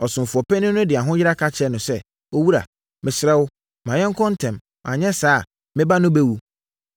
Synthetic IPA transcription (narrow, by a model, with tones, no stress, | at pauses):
ɔ˨sʊ̃˨m˨fʊ˨ɔ˨pɛ˦nʊ̃˦nʊ̃˦dɪ˨a˨ɦʊ̃˦jɪ˦ɾa˦kʰa˦t͡ɕʰɛ˦nʊ̃˨sɛ˦ | o˦wu˦ɾa̰˨ | mɪ̃˨sɪ˨ɾɛ˦wʊ˦ | mã˨ɲɛ̃˦ŋ˦kʰɔ̃˦n̩˦tʰɛ̃˨m | mʔã˨ɲɛ̃˦saː˦˨ | mɪ̃˦ba˦nʊ̃˦be˦wu˨